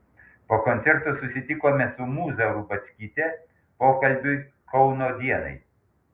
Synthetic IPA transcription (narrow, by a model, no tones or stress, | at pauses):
poːkɔnʲt̪ʲɛɾt̪osʊsʲɪt̪ʲɪkoːmʲɛsʊmuːzɐɾʊbɐt͡ʃʲkʲiːt̪ʲɛ | poːkɐlʲbʲʊɪ | kʰɔʊnoːd̪ʲiɛnɐ̰ɪ